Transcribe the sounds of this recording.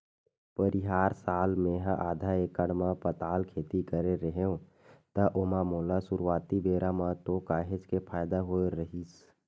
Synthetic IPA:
pəɾɪɦaːɾsaːlmẽɦãʔaːd̪ʱaeːkəɽmãpət̪aːlkʰeːt̪ikəɾeɾəɦeõ | t̪əʔomamoːlasʊɾwaːt̪ibeːɾʔamãt̪okaːɦed͡ʒkepʰaːjd̪aɦoːɾəɦis

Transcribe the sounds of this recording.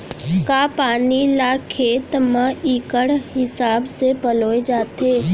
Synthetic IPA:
kaːpaːnilaːkʰeːt̪mə̃iːkəɽɦɪsaːbsepəloːed͡ʒaːt̪eː

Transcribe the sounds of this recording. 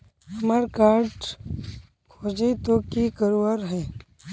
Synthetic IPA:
ɐməɾkaːɾʈ | kʰoːd͡ʒet̪okikəɾuaɾɦɛː

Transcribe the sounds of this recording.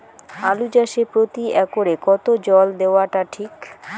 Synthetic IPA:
alud͡ʑaʃepɾot̪iɛkoɾekɔt̪od͡ʑɔld̪eoaʈaʈʰik

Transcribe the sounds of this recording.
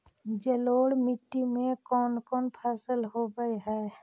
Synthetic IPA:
d͡ʒəloːɽmɪʈːimẽkɔːnkɔːnpʰaːsəlɦobəeɦɛː

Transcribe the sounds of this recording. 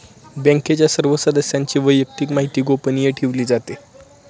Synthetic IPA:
bɛ̃ŋket͡ɕjasəɾʋəsəd̪əsjaɲt͡ɕiːʋəjːək̚t̪iːkmaɦit̪iːɡopənijeʈʰiʋliːd͡zat̪e

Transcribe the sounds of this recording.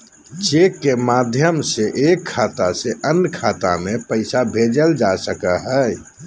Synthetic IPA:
t͡ʃekːemaːd̪ʱjəmseʔekʰːaːt̪aseʔənkʰaːt̪a̰mepəɪsabʱed͡ʒəld͡ʒasəkəɦə

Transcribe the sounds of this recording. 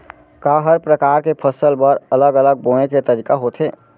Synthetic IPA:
kaɦəɾpɾəkaːɾkepʰəsəlbəɾələɡələɡ̚boːɽ̃eket̪əɾiːkaɦot̪ʰɦeː

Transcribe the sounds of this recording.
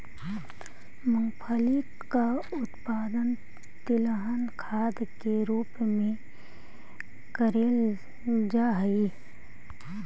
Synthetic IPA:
məŋpʰəli | ka | ʊt̪paːd̪ən | t̪ɪləɦənkʰaːd̪keɾuːpmẽ | kəɾeːl | d͡ʒaɦi

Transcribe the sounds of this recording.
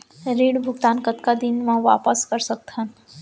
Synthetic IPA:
ɾiːɽbʱʊɡt̪aːnkət̪kad̪ɪnmãʋa̰ːpəskəɾsɐk̚t̪ɦən

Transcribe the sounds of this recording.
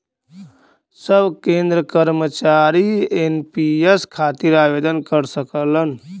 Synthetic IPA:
səbʱkẽnd̪ɾəkəɾmət͡ʃaɾienpieskʰat̪iɾabed̪ənkəɾsəkələn

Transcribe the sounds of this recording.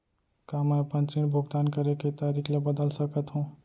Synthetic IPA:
kaməjpənt͡ʃiɽbʱuɡt̪ankəɾeket̪aɾikʰlebəd̪əlsəkət̪ɦũ

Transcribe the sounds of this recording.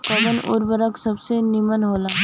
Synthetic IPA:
kəbənʊ̰ɾbəɾəksɐbsenimənɦoːlaː

